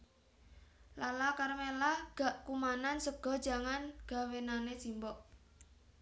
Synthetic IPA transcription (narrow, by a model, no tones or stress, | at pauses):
lalakarmelaɡ̥a̤ʔkumanansəɡ̥ɔ̤̥d͡ʒ̥a̤ŋanɡ̥a̤wenanesimbɔʔ